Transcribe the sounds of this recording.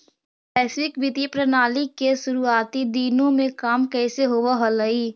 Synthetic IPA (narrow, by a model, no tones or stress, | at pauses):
pɛːsɪwɪkbɪt̪ipɾɐnaːlikesʊɾuaːt̪id̪iːnõmẽkaːmkɛːseɦoːʋaɦɐləiː